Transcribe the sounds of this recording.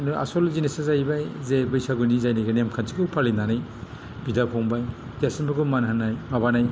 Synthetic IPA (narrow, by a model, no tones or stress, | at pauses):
noa̰solzinesazajbajzebɯjsaɡunizajnajɡanemkʰant͡ʃikɯwpʰalinanaj | bidapʰɔŋbaj | ɡasinbɯɡumananajmabanaj